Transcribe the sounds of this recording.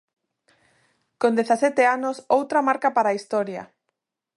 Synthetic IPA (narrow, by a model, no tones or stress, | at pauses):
kond̪eθasɛt̪eanosowt̪ɾamaɾkapaɾaːist̪ɔɾjɐ̰